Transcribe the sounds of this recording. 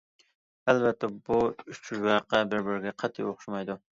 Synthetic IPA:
ɛlvɛt̪ʰːɛbuyt͡ʃʰyʒwɑqɑbɪɾbɪɾɡʲɛqʰɑt̪ʰːɨ̰joχʃumɑjd̪u

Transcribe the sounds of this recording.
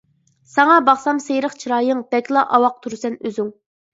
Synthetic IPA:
sɑŋɑbɑχsɑmsejɾəχt͡ʃʰiɾɑːjɨŋb̥ɛkʲlˠɑʔɑwɑq̚t̪ʰuɾsɛnøzyŋ

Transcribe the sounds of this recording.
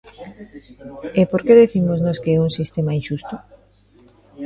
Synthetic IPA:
epoɾkeðiθimoznɔskeɛuŋsist̪emainʃust̪ʊ

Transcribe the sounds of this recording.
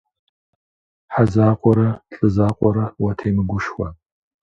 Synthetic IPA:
ħazaːqʷʼɔɾɐɬʼɨzaːqʷʼɔɾɐwɐtʰejmɨɡʷʊʃxʷɐ

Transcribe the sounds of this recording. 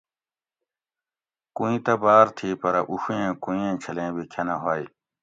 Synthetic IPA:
kũĩt̪ɐbaːɾt̪ʰiːpɐɾɐʔuɕuẽːkũĩẽːt͡ɕʰɐlẽːbikʰɐnɐɦoːj

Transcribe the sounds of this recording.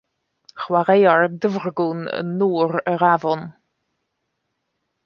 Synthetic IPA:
χwaɾejaɹdəvrɡunə̰nːuːɾəɾavɔn

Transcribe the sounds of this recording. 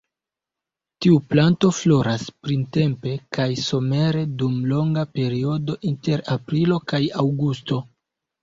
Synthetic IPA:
tiuplanto̞flo̞ɾaspɾinte̞mpe̞kajso̞me̞ɾe̞dumlo̞ŋɡape̞ɾio̞do̞ʔinte̞ɾapɾilo̞kajawɡusto̞

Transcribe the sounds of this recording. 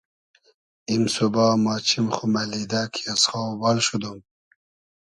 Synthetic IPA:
imsubɑːmɑːt͡ɕʰimχumalid̪akʰiasχɑbɑlʃud̪um

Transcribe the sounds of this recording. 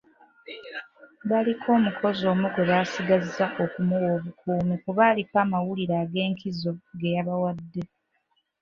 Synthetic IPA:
βalikʰo̞ːmukʰo̞zo̞ːmukweβaːsiɡazaʔo̞kumuwo̞ːβukʰuːmikuβaːlipaːmawuliɾaːɡe̞ːŋkʰizo̞ɡe̞jaβawadːe̞

